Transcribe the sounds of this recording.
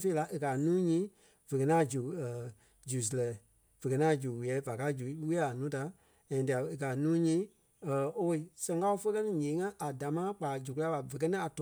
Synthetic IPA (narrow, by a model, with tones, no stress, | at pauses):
fe˦la˧˦ʔe˧ka˨nũː˦ɲĩː˨˦ | v̥ə˨kɜ˨nãː˦˨d͡ʒu˨ə˨ | d͡ʒu˨s̬lɛ˨ | v̥ə˨kɜ˨nã˦˨d͡ʒu˨wi˨ɛ˨˦va˨ka˧˦d͡ʒu˨˦wi˦a˦a˨nũː˨˦ta˨˦ | ã˨di˧˨a˨e˨ka˨nũː˦ɲĩː˦ | ə˨o˦wo˧˦i˨sɛ̃˧ŋka˦o˧fə˦kɜ˦nĩ˦ɲẽː˨˦ŋã˦ʔa˨da˨˦mãː˦k͡pa˨d͡ʒu˨k̬u˦la˧˦ɓa˨və˨k̬ɜ˦nĩ˦a˨tɔ